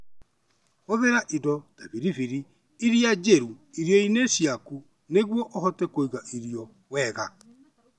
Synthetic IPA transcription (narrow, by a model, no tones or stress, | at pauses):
oðeɾaʔidɔd̥aβiɾiviɾi | iɾiad͡ʒeɾuiɾjɔinesiaku | neɣwɔʔohɔtɛkoiɣaʔiɾiɔ | wɛɣa